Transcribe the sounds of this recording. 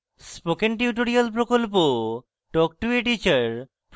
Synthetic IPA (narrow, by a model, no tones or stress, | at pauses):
spokenʈiuʈ̬oɾialpɾokolp̬o | ʈɔk̚ʈueʈit͡ɕaɾ | p